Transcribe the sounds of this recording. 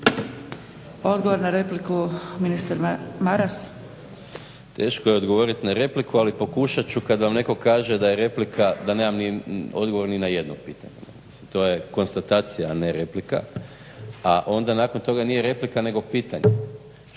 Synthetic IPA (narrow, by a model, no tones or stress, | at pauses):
o̞d̪ɡoʋoɾnaɾeplikuminist̪aɾmaɾas | t̪e̞ːʃkojeod̪ɡo̞ʋo̞ɾit̪naɾe̞plikualipo̞kuʃat͡ɕukad̪ʋamne̞ko̞kaːʒe̞d̪ajeɾe̞plikʰad̪aneːmamnio̞̰d̪ɡo̞ʋo̞ɾninaje̞d̪nopiːt̪a̰ɲena̰set̪o̞je̞ko̞nst̪at̪aːt̪sijaːne̞ɾe̞plika̰ | aʔo̞nd̪anaːko̞nt̪o̞ɡanije̞ɾe̞plikane̞ɡo̞piːt̪aɲe